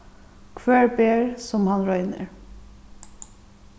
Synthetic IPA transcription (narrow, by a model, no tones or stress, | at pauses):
kʰʋæːɹbeːɹsɔmhɑnɾœʏnə̰ɹ